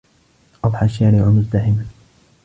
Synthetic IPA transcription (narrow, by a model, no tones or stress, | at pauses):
ʔɑðˤħɑʃːaːɾɪʕʊmʊzt̪ahɪma